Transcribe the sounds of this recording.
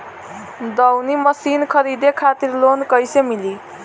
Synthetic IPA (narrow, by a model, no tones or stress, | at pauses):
d̪ʌwnimʌsinkʰʌɾid̪ekʰat̪irlonkʌjsemili